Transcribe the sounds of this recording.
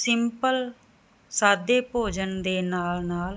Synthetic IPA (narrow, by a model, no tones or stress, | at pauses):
sɪmpəl | saːd̪jeːpoːd͡ʒənd̪eːnaːlnaːl